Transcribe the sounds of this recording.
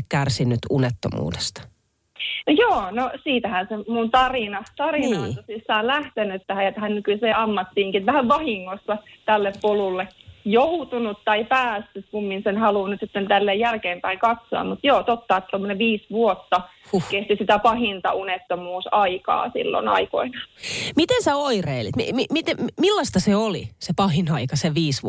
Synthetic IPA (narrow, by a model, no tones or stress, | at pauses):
kærsinːyt̪unet̪ːomṵːde̥st̪ɑ̥ | njoːnosiːt̪æhænsemunt̪ɑrinɑt̪ɑrinɑnt̪osisːɑːlæht̪enyt̪t̪æhæjɑt̪æhænnykyseːɑmːɑt̪ːiːŋkitʋæhæʋʋɑhiŋːosːɑt̪ælːeppolulːejout̪unut̪tɑipæːst̪yt̪kumːinsenhɑluːnyt̪sit̪ːent̪ælːejjælkeːmpæiŋkɑt̪soɑ̰mmut̪joːt̪ot̪ːɑet̪ːt̪omːoneʋiːsʋuot̪ːɑ | kukkest̪isit̪æpɑhint̪ɑ̰unet̪ːomuːsɑikɑ̰ːsḭlːo̰nɑ̰iko̰inɑmit̪ensæoireilḭt̪mimimit̪emilːɑst̪ɑseolḭsepɑhinɑikɑseʋiːsʋ